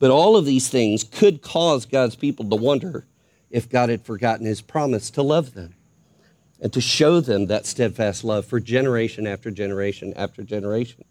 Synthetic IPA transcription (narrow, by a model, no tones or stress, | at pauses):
b̥ʌɾɔlˠʌvðiz̥θɪ̃ŋz̥kʰɨd̚kʰɔzɡɑdz̥pʰipl̩ˠtəwʌ̃ndə˞ | ɨfɡ̥ɑɾ̚ɨd̥fə˞ɡɑʔn̩ɨz̥pʰɹ̥ɑmɨstʰəlʌvðɨ̃m | ʔɨ̃ntʰɨʃoʊðɨ̃mðɨtstɛd̥fæstˡlʌv̥fə˞d͡ʒɛnə˞eɪʃɨ̃næftə˞d͡ʒɛnə˞eɪʃɨ̃næ̰ftə˞d͡ʒɛnə˞eɪʃn̩